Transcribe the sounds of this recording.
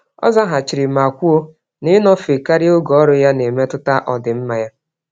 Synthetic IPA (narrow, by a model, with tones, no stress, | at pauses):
ɔ̰˦za˦ɦa˨t͡ʃi˨ɾɪ˨ma˨kʷu˦o˦ | nɪ˦nɔ˦fe˨ka˦ɾɪ˦o˦ɡɔ˨ɔ˦ɾʊ˦ja˦ne˨me˦tʊ˦ta˦ʔɔ˨dɪ˨m̩˦ma˨ja˦